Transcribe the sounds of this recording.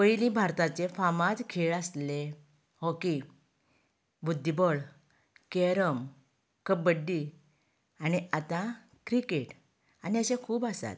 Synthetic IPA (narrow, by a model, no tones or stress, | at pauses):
pəjlĩbʱaɾt̪at͡sefamãd͡zkʰeɭasle | hɔki | bud̪ʱːibɔɭ | keɾəm | kəbəɖːi | añiʔat̪ã | kɾikeʈ | aniəɕẽkʰuːbasa̰t̪